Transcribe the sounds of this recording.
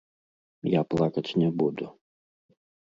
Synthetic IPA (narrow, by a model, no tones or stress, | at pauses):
japlˠakɐt͡sʲnʲɛbud̪u